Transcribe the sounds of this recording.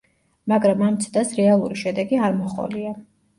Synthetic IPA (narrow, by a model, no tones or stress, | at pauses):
maɡɾamamt̪sʰd̪asɾɛalˠuɾiʃɛd̪ɛɡiaɾmɔχʼɔ̰lia